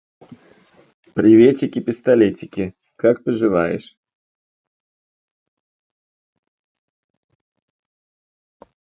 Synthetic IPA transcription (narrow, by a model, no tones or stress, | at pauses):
pɾʲɪvʲetʲɪkʲɪpʲɪst̪ɐlʲetʲɪkʲɪ | kak̚pɨʐɨvajɪ̰ʂ